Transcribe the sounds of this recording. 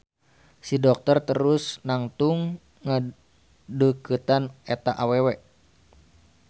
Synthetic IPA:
sidɔk̚t̪ərt̪əɾusnaŋt̪uŋː | ə | dəkət̪anɛt̪aʔawewɛ

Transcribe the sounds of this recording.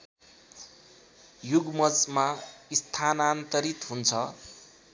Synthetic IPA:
juɡmʌd͡zmaist̪ʰanant̪ʌɾit̪ɦunt͡sʰʌ

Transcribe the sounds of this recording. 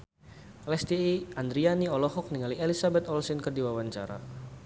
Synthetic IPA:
lɛst̪iiand̪ɾianiɔlɔɦɔk̚niŋalielisabɛt̪ɔlsinkərdiwawaɲt͡ʃa̰ɾa̰

